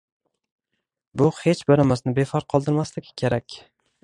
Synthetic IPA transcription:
bʊhet͡ʃbaɾamasnɪbefaɾt̚qʰɒlˠd̪ɪɾmaslɪkʲkʲʰeɾakʲ

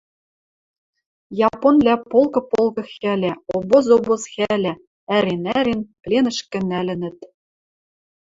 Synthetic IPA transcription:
jɑponlʲæpolˠkɤ̆polˠkɤ̆xælʲæobozobɤ̆sxælʲæ | æɾenæɾenplʲenɘ̆ʃkʲɘ̆nælʲɘ̆nɘ̆t̪

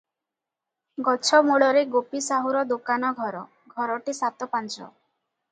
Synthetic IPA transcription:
ɡɔt͡ʃʰɔmuɭɔɾeɡopisaɦuɾɔd̪okanɔɡʱɔɾɔ | ɡʱɔɾɔʈisat̪ɔpant͡ʃɔ̰

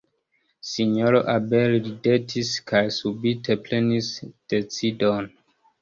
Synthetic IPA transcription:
siɲoɾoʔabelɾidetʰiskʰajsubite̞ple̞nisd̥e̞t͡sidon

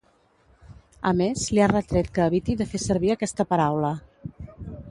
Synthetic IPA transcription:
əmezliarət̪ɾɛt̪̚kəːβit̪iðəfesəɾβiəkɛst̪əpəɾawlə

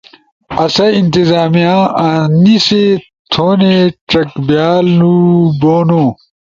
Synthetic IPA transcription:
ɐsɐint̪izaːmijãːaːnise | t̪ʰoːneʈ͡ʂɐkbjaːluboːnoː

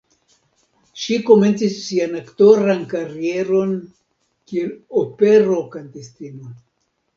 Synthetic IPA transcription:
ʃiko̞me̞nt͡sisːianakto̞ɾankaɾie̞ɾo̞n | kielopeɾo̞kantestino

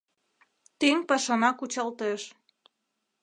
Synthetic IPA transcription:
t̪eŋpɑʃɑnɑkut͡ɕɑlt̪eʃ

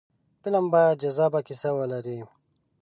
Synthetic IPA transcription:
pilambajad̪̚d͡ʒɐzaːbakisawɐlaɾi

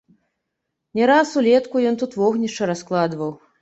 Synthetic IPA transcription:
nʲɛɾasulʲɛt̪kujɔnt̪ut̪vɔɣnʲiʂt͡ʂɐɾasklˠad̪vɐw

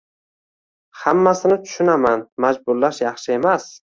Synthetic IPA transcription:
hamːasɪnɪt̪ʰʊ̥ʃʊnamanmad͡ʒbʊɾlːaʃjɑχʃɪe̞mas

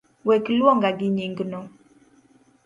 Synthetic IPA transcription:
wɛklwɔŋɡaɡɪɲiŋɡno

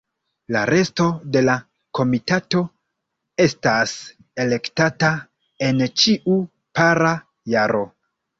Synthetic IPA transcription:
la̰ɾe̞sto̞de̞la | ko̞mitato̞ | e̞stas | e̞le̞ktata | e̞nt͡ʃiʔu | paɾa | jaɾo̞

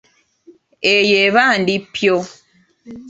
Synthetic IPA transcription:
ejeβandipjo

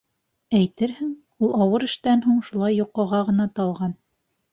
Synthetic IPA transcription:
æjt̪ɘɾhɘŋ | ulˠɑwɤɾɘ̆ʃt̪ænɦuɴʃulˠɑjːuqːŏʁɑʁɤ̆nɑt̪ɑlˠʁɑn

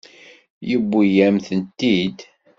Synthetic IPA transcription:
jəbːujæmθənt̪ːid̪

